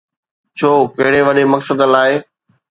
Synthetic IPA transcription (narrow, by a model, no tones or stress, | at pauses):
t͡ɕʰoːkɐɦɪɽeʋɐɗemɐksəd̪laːɪ